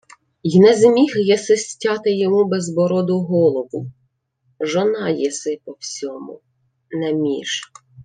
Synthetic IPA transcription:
jnɛzmʲixjɛsɪsʲtʲɑt̪ɪjɔmubɛzbɔɾɔd̪ʊɦɔlˠɔbʊ | ʒɔnɑjɛsɪpɔwsʲɔmʊ̰ | nɛmʲḭʃ

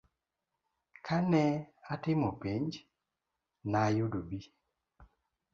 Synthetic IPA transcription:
kʰanɛatɪmɔpiɲd͡ʒ | najudobi

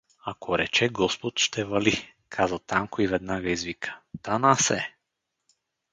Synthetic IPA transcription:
akʰɔɾɛt͡ʃɛɡɔspɔt̪ʃt̪ɛvali | kʰazat̪amkɔivɛd̪naɡaizvikʰḁt̪anasɛ

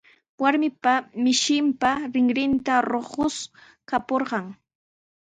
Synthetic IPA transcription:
waɾmɪpamɪʃɪmpaɾɪŋɾɪnt̪aɾoχʊs | kapoɾɢɑŋ

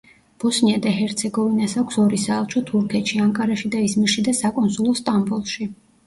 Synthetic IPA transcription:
b̥ɔsniad̪ahɛɾt̪sʰɛɡɔvinasakʷʰsɔɾisaːlˠt͡ʃʰɔt̪ʰuɾkʰɛt̪ʃiaŋkʼaɾaʃid̪aismiʃid̪asakʼɔnsulˠɔst̪ʼambulˠʃi

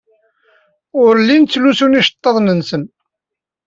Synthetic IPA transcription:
ʊɾlːint͡sːlusuniʃə̥t̪ˤːəðˤnənsən

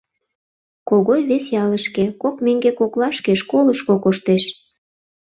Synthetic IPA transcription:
koɣojβesjɑləʃkekokmeŋɡekoklɑʃkeʃkoləʃkokoʃt̪eʃ

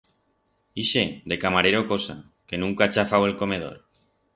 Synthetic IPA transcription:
iʃed̪e̞kamaɾeɾokosa̰ | ke̞nũŋkat͡ʃafawe̞lko̞með̞o̰ɾ

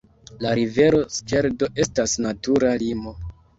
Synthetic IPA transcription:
laɾive̞ɾo̞ske̞ɾdo̞ʔe̞stasnatuɾalimo̞

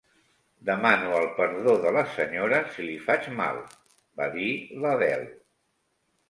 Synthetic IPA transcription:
d̪əmanuəlˠpəɾðoðələsəɲoɾəsilifad͡ʒma̰lˠ | baðiləβɛ̰l

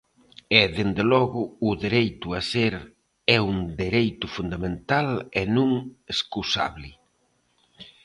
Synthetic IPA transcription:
ɛðend̪elɔɣʊːðeɾejt̪ʊaseɾ | ɛund̪eɾejt̪ʊfund̪amẽnt̪alɛnũŋeskusa̰βlɪ

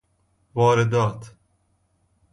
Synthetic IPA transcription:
vɒːɾed̪ɒːt̪ʰ

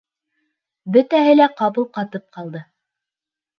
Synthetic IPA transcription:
bɵt̪æhɘlæqɑβɤlˠqɑt̪ɤp̚qɑlˠd̪ɤ

